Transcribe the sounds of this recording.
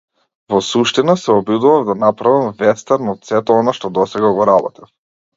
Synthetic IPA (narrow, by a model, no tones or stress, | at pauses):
vɔsuʃt̪inasɛɔbjud̪uvavd̪anapɾavamvɛst̪aɾnɔt̪sɛt̪ɛɔnaʃt̪ɔd̪ɔsɛɡaɡɔɾabɔt̪ɛf